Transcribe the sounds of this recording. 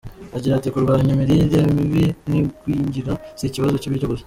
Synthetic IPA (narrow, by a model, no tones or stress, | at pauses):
aɟiɾatikuɾɡaːɾaɲumiɾiɾemiβinikwiːɲɟiɾasiciβazo̞ciβiːt͡ʃoɡozi